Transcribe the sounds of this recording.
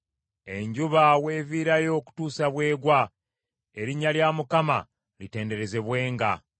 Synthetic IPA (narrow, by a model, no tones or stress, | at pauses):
e̞ɲɟuβawe̞ːviːɾajo̞ːku̥tuːsaβwe̞ːɡwa | e̞ɾiɲːaljamukama̰ | lite̞ːnde̞ɾe̞ze̞βwe̞ːŋɡa̰